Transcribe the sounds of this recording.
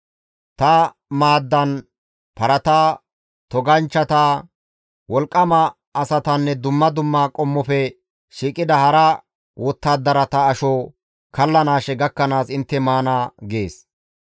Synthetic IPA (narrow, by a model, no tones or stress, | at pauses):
t̪ɐ | maːd̪ːɐn | pɐɾɐt̪aː | t̪ɔɡɐnt͡ʃːɐt̪aː | wɔlkʼːɐmɐː | sɐt̪ɐnːɛd̪ʊmːɐd̪ʊmːaːkʼɔmːɔfɛ | ʃiːkʼɪd̪ɐhɐɾɐ | wɔt̪ːaːd̪ːɐɾɐt̪ɐːʃɔ | kɐlːɐnaːʃɛɡɐkːɐnaːsɪnt̪ːɛmaːnaːɡe̞ːs